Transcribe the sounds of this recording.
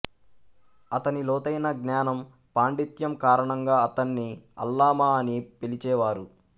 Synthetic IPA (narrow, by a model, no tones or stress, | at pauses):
ɐt̪ɐnilɔːt̪ɐjnɐɡnjaːnɐm | paːɳɖit̪jɐmkaːɾɐɳɐŋɡaːɐt̪ɐnːiɐ̰lːaːmaːɐnipelit͡ʃɛːʋaːɾu